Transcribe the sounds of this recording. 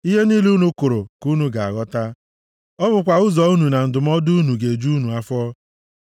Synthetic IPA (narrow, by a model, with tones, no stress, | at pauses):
i˦ɦe˦ni˦lu˦nu˦kʊ˨ɾo˨ku˦nu˦ɡa˨a˨ɣɔ˦ta˦ | ɔ˦bʊ˨kʷa˨ʊ˦zɔ˨u˦nu˨na˨n̩˨dʊ˨m˦ɔ˦dʊ˦nu˨ɡe˨d͡ʒu˦nu˨a˦fɔ˦